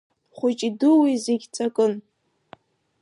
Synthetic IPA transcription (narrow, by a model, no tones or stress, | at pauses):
χʷʊt͡ʃʼidɨwizeɡʲt͡sʼakʼɨn